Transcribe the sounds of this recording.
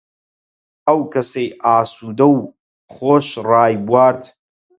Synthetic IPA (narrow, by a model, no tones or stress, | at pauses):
ɐwkɐsejʔaːsuːd̪ɐw | χoːʃraːjbwaːɾt̪ʰ